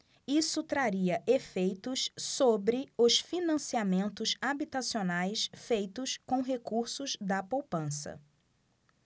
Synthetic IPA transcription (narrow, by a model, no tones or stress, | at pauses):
isʊt̪ɾaɾiɐʔefejt̪ʊssobɾɪʊsfinɐ̃siamẽnt̪ʊzabit̪asionajsfejt̪ʊskõw̃ɦekuɾsʊzd̪ɐpowpɐ̃sɐ̰